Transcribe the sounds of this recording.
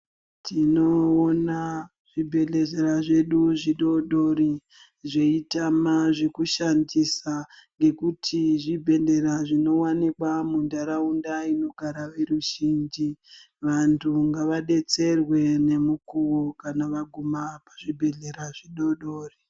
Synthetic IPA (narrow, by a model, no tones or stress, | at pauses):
tʰino̞ːna | ʐ̥ibʱe̞ɮe̞ɮeɾaʐe̞ɗuʐiɗo̞ɗo̞ri | ʐe̞itamaʐekuʃandisaŋɡe̞kutʰiʐibʱe̞ɮe̞ɾaʐino̞wanikwamundaɾaundaino̞ɡʱaɾaʋe̞ruʒind͡ʒi | ʋantʰuŋɡaʋaɗe̞t͡se̞rwe̞ne̞mukuwokanaʋaɡʱumapaʐibʱe̞ɮe̞ɾaʐiɗo̞ɗoːri